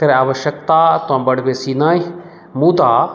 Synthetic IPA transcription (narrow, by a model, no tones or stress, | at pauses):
k̪ɐɾeaːʋəʃəkt̪aːt̪ʊãːbɐɽbesiːnaːi | muːd̪aː